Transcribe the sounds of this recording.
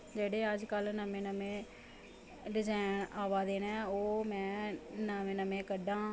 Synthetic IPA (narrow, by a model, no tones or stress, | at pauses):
d͡ʒeːɽeːəd͡ʒkəlnəmẽːnəmẽː | ɖɪzaːnaːʋaːd̪eːnɛ̃ːoːmɛ̃ːnəmẽːnəmẽːkəɖãː